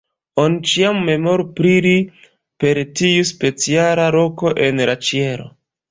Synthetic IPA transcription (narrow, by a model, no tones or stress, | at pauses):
onit͡ʃiamːe̞mo̞ɾupɾiɾi | pe̞ɾtiuspe̞t͡sialaɾo̞ko̞ʔe̞nlat͡ʃie̞ɾo̰